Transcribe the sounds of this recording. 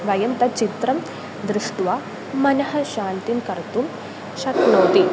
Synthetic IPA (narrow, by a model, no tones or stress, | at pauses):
ʋɐjɐmt̪ɐt͡ʃit̪ɾɐm | d̪ɾuʂʈʋaː | mɐnɐɦɐ̆ʃaːnt̪inkɐɾt̪um | ʃɐknoːt̪i